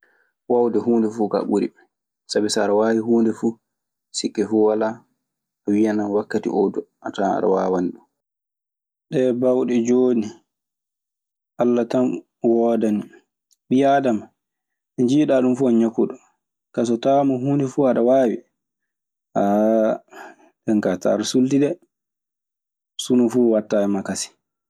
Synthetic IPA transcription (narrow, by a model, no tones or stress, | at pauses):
wawdɛhuːndɛfuːka̰ɓuɾḭɓɛ | sabisaɾawaːwiɦuːndɛfuː | sikːɛfuwala | awijananwakːatḭʔɔdɔʔataa̰ɗa̰waːwanɗu | ɗɛbawɗɛd͡ʒoːni | ʔalːatam | wɔːdani | ɓijadama | ɛɲd͡ʒiːɗaɗumfuaɲakːuɗɔ | kas̬ɔtamɔɦundɛfuaɗawaːwḭ | ʔa | dɛŋkata̰ɾusultiɗɛ | sunufuwatːajɛmakasi̥